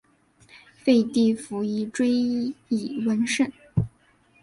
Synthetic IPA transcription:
fe˥˧ɪt̪i˥˩fu˧˥i˧˥ʈ͡ʂwe˥ɪ˥i˨˩wə˧˥nʂə˥˩n

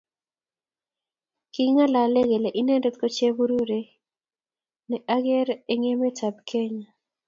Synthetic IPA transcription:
ki˦ŋa˦la˨le˦ɡe˨le˨ʔi˦nɛ˦nde˦t̪ko˦t͡ʃe˦bu˦ɾu˦ɾe˦ | nɛ˨ʔa˦ɡɛ˦ɾe˦ŋe˦me˦ta˨b̚kʰe˦ɲa˨

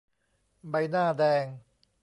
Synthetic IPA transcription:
ba˧jnaː˥˩dɛː˧ŋ

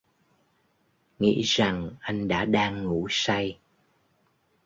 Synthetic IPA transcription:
ŋḭ˧˥za˨˩ŋʔa˧jŋ̟ɗa̰ː˧˥ɗaː˧ŋːu˧˩˥sa˧j

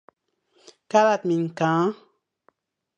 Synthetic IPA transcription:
ka˦la˨t̪mi˨ŋ˨kãː˨˦

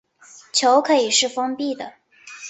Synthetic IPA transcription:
t͡ɕʰjo˧˥ʊkʰɤ˧˥i˨˩ʂɻ̩˥˩fɤ˥ŋpi˥˩d̪ə̰˩

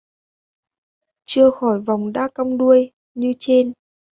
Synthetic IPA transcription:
t͡ɕɨ˧əxɔ˧˩jva˨˩wŋ͡mɗa̰ː˧˥ka˧wŋ͡mɗu˧əj | ɲɨ˧t͡ɕe˧n

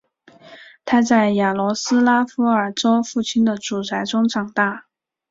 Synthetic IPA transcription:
t̪ʰa˥t͡sa˥˩ɪja˨˩lwɔ˧˥sɹ̩˥la˥fu˧˥ə˞˨˩ʈ͡ʂo˥ʊfu˥˩t͡ɕʰi˥nd̪ə˨ʈ͡ʂu˨˩t͡sʰa˧˥ɪʈ͡ʂʊ˥ŋʈ͡ʂɑ˨˩ŋt̪a˥˩

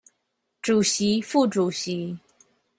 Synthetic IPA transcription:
ʈ͡ʂu˨˩ɕi˧˥fu˥˩ʈ͡ʂu˨˩ɕi˧˦

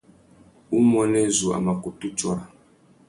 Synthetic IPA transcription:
u˦mɔ˦nɛ˦zu˨a̰˨ma˨ku˨tu˦t͡ʃwa˨a˨

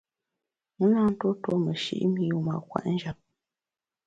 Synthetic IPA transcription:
ŋə˦na˦n̩˦to˦to˦mə˨ʃḭ˦ʔmi˦u˦ma˨kwa̰˨ʔn̩˦d͡ʒa˨p̚

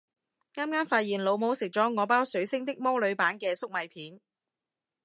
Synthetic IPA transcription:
ŋaː˥mkaː˥nfaː˧t̚jiː˨˩nlo˨˧wmo˨˧˥wsɪ˨k̚t͡sɔː˨˥ŋɔː˨˧paː˥wsɵ˨˥ɥsɪ˥ŋt̪ɪ˥k̚mɔː˥lɵ˨˧ɥpaː˨˥nkɛː˧sʊ˥k̚mɐ˨˧jpʰiː˨˥n

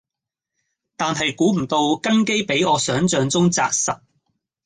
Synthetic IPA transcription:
t̪aː˨nɦɐ˨jkuː˨˥m̩˨˩t̪o˧wkɐ˥nke˥jpe˨˥jɔː˨˧sœː˨˥ŋt͡ʃœː˨˧ŋt͡sʊ˥ŋt͡sa̰ː˧k̚sɐ˨t̚

